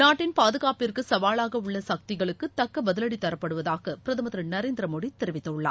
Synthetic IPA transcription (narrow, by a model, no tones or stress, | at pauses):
naːʈːɪnpaːðɯɣaːpɪrkɯsɐʋaːɭaːɣɐʊɭːɐsɐk̚t̪ɪɣɐɭɯkːɯt̪ɐkːɐbɐðɯlɐɽit̪ɐɾɐpːɐɽɯʋɐðaːɣɐpɪɾɐðɐmɐðɾɐnɐɾeːnd̪ɪɾɐmoːɽit̪ɛɾɪʋɪt̪ːɐɯɭːa̰ː